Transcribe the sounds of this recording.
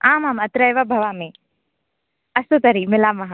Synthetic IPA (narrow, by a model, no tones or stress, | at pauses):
ãːmaːmɐt̪ɾajʋabʱɐʋaːmẽ | ɐsot̪ɐɾimɪlaːmɐɦã